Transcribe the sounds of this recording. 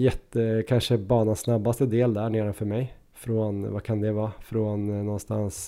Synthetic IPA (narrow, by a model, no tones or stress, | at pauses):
jɛt̪ːəkʰɑnʂəbɑːnɑnsnɑbːast̪əd̪eːld̪æɳeːɾɑfɔɾmæɪ | fɾɔnʋɑ̰ːkʰɑnd̪ɛʋɑːfɾɔnnɔnst̪ɑ̰ns